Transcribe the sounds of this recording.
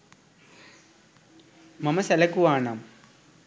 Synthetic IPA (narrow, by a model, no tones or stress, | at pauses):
mɐmɐsɐlɐkːuʋaːnam